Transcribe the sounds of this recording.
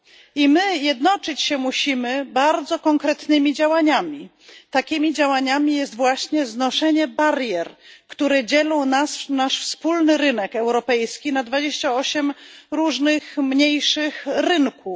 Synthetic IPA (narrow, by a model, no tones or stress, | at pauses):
imɘjɛd̪nɔt͡ʂɘt͡ɕɕɛmuɕimɘbaɾd̪zɔkɔŋkɾɛt̪nɘmʲid͡ʑawaɲamʲi | t̪akʲimʲid͡ʑawaɲamʲijɛst̪vwaɕɲɛznɔʂɛɲɛbaɾjɛɾkt̪uɾɛd͡ʑɛlɔ̃w̃nasnaʂfspulnɘɾɘnɛkɛwɾɔpɛjskʲinad̪vad͡ʑeɕt͡ɕaɔɕɛmɾuʐnɘxmɲejʂɘxɾɘŋku